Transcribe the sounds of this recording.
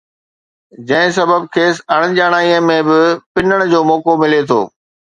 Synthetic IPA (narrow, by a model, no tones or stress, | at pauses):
d͡ʑɐ̃ɦɪ̃sɐbəb̚kʰeːsɐɽ̃əd͡ʑaːɽ̃aːiə̃mẽbɪpɪnəɽ̃d͡ʑoːmɔːkomɪlet̪ʰo̰ː